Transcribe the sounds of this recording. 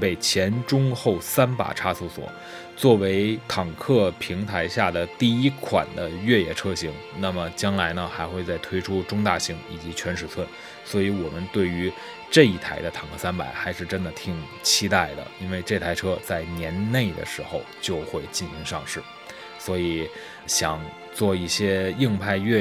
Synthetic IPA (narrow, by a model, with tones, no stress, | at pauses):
pe˥˩ɪt͡ɕʰjɛ˧˥nʈ͡ʂʊ˥ŋxo˥˩ʊsa˥npa̰˨˩ʈ͡ʂʰa˥su˥˩swɔ̰˨˩˦ | t͡swɔ˥˩we˧˥ɪt̪ʰɑ˨˩ŋkʰɤ˥˩pʰi˧˥ŋt̪ʰa˧˥ɪɕja˥˩d̪ə˩t̪i˥˩i˥kʰwa̰˨˩nd̪ə˦ɥɛ˥˧jɛ˥˩ʈ͡ʂʰɤ˥ɕi˧˥ŋ | na˥˩mə˩t͡ɕjɑ˥ŋla˧˥ɪnə˧xa˧˥ɪxwe˥˧ɪt͡sa˥˩ɪt̪ʰwe˥ɪʈ͡ʂʰu˥ʈ͡ʂʊ˥ŋt̪a̰˥˩ɕi˧˥ŋḭ˨˩t͡ɕi˧˥t͡ɕʰɥɛ˧˥nʂɻ̩˨˩t͡sʰwə˥˩n | swɔ˧˥i˧˥wɔ˨˩mə˦nt̪we˥˩ɪy˧˥ | ʈ͡ʂɤ˥˧i˥˩t̪ʰa˧˥ɪd̪ə˧t̪ʰɑ˨˩ŋkʰɤ˥˩sa˥npa˨˩ɪxa˧˥ɪʂɻ̩˥˩ʈ͡ʂə˥nd̪ə˨t̪ʰi˨˩ŋ | t͡ɕʰi˥t̪a˥˩ɪd̪ə̰˩i˥nwe˥˧ɪʈ͡ʂɤ˥˩t̪ʰa˧˥ɪʈ͡ʂʰɤ˥t͡sa˥˩ɪnjɛ˧˥nne˥˩ɪd̪ə̰˩ʂɻ̩˧˥xo˧ʊt͡ɕjo˥˧ʊxwe˥˩˧ɪt͡ɕi˥˩nɕi˧˥ŋʂɑ˥˧ŋʂɻ̩˥˩ | swɔ˧˥i˨˩˦ | ɕjɑ˨˩ŋ | t͡swɔ˥˧i˥˩ɕjɛ˥i˥˧ŋpʰa˥˧ɪɥɛ˥˧